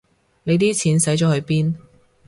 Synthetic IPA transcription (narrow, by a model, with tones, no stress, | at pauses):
ne˨˧jt̪̬iː˥t͡sʰiː˨˧nsɐ˨˥jt͡ʃɔː˨˥hɵ˨˧ɥpiː˥n